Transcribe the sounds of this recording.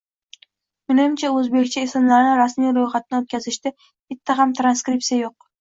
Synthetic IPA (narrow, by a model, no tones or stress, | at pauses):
mɪnɪmt͡ʃʰaɵzbe̞kʲt͡ʃʰaɪsɪmlaɾnɪɾasmijɾojχat̪̚nɪot̪̚kʲʰazɪʃt̪ɪ | bɪt̪ʰːaɦamt̪ʰɾanskɾip̚t̪sijajoq̚